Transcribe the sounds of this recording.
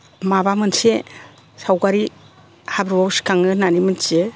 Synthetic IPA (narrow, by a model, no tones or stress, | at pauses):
mabamɯnse | sawɡaɾi | habɾbawsi̥kaŋɯnanimɯnse